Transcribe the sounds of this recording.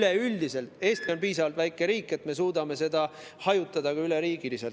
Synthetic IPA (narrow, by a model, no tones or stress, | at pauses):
leyld̪ise̞lt̪e̞ːst̪io̞npiːsɑvɑlt̪væjkːˑe̞ɾiːkːˑe̞t̪me̞s̬uːd̪̥ɑme̞se̞d̪̥ɑ | hɑjut̪ˑːɑd̪̥ɑɡ̥ɑyleɾiːɡ̥ilise̞lt